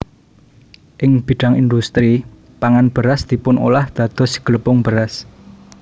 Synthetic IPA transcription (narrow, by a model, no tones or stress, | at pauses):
ʔɪŋb̥i̤ɖ̥a̤ŋind̪ust̪ɾi | paŋanb̥ə̤ɾasd̪̥i̤pʊno̰lahd̪̥ä̤d̪̥ɔ̤sɡ̥ələpʊŋb̥əɾas